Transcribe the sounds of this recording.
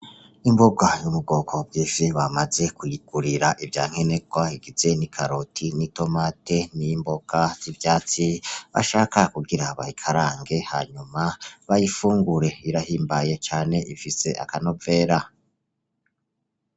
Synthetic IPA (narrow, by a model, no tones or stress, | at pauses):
imboɡajumuɡo̞ːkʰo̞b̚ɡiːʃiβamaze̞kuliɡ̥uɾiɾaʔibja̰ːŋ̥he̞ne̞ɡwaiɡ̥iz̥e̞nikʰaɾotʰinito̞mate̞nimbo̞ɡ̥az̥ivjaːt͡siβa̰ʃaːkakuɡiɾaβa̰hikʰaɾaːŋɡe̞ha̰ːɲumaβajifuːŋɡuɾe̞iɾahiːmbaje̞t͡ʃaːne̞ʔifise̞ʔa̰kano̞ve̞ːɾa